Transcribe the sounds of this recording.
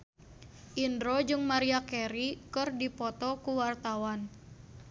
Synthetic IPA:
ʔindɾɔd͡ʒɨŋmaɾiakɛɾikɨrdipɔt̪ɔkuwart̪awan

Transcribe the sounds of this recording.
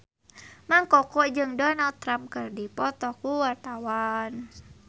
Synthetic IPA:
maŋkɔkɔd͡ʒɨŋdɔnald̪̚t̪ːɾamp̚kɨrdipɔt̪ɔkuwart̪awan

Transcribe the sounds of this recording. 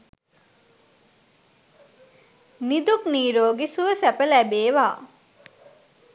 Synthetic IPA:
nid̪ukniːɾoːɡisuʋəsæpəlæbeːʋaː

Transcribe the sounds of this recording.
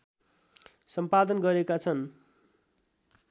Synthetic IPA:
sʌmpad̪ʌnɡʌɾekat͡sʰʌn

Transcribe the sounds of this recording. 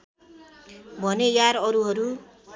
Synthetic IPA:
bʱʌnejaɾʌɾuɦʌɾu

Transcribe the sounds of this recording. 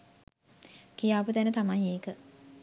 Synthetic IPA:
kijaːput̪ænət̪amajeːkə

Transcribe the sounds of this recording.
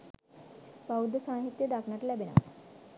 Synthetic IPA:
baud̪ːəsaːɦit̪ːjəd̪akʰnaʈəlæbenə̰ʋ̰

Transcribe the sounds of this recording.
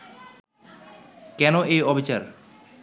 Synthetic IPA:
kɛnoʔejɔbʱit͡ɕaɾ

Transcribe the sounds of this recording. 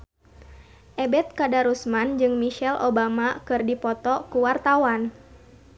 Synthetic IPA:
ʔɛbɛt̪̚kadaɾusmand͡ʒɨŋmiʃɛlʔobamakɨrdipɔt̪ɔkuwart̪awan

